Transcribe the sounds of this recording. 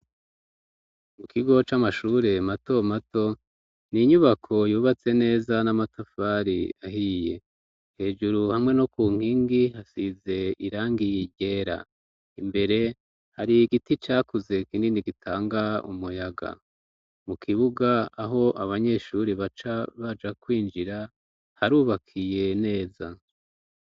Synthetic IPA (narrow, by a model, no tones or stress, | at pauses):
mukʰiɡo̞t͡ʃamaʃuːɾe̞mato̞mato̞ | niɲuβakʰo̞juːβat͡se̞ne̞ːzanamatafaɾiaɦije̞ | he̞ːd͡ʒuɾuhamŋe̞no̞kuːŋ̥hiːŋɡihasize̞iɾaːŋɡijiɟe̞ːɾa̰ | imbe̞ɾe̞ | haɾiɡitit͡ʃaːkuze̞kiːndiniɡitʰaːŋɡaṵmujaɡa̰ | mukʰiβuɡaːɦo̞ʔaβaɲe̞ʃuɾiβat͡ʃaβad͡ʒakwiːnd͡ʒiɾa | haɾuːβakʰije̞ne̞ːza